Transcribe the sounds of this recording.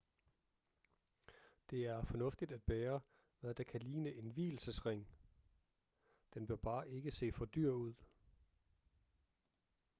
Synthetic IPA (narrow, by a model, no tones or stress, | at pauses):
d̥e̝æɐfɒ̽nɔ̽fd̥id̥æd̥̚b̥eːɐ | ʋæðˠd̥ɑ̈kʰæliːnəʔe̝nʋḭːl̩səsʁeŋ̰ | d̥enb̥iɐb̥ɑ̈ːʔe̝ɡ̥əse̝̰ːfɒ̽d̥yɐ̰uð̰ˠ